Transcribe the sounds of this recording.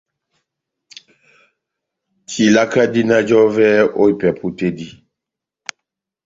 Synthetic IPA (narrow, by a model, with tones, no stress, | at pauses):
kʰi˨la˦ka˦di˦na˦d͡ʒɔ˦vɛ˦o˦i˦˨pɛ˨pu˦te˦di˦